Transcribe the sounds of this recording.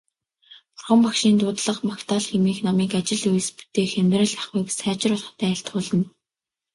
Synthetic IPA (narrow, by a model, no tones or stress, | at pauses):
pʊ̥rχə̆mpakʃiːnt̪ʊːt̪ɮə̆qmakt̪ʰaːɮxemiːxnɔmiːkat͡ɕɪ̆ɮuj̆spu̥t̪eːxemʲt̪ræ̆ːɮaχujpesæːt͡ɕɪ̆rʊɮχt̪æːɬt̪χʊːɮə̆n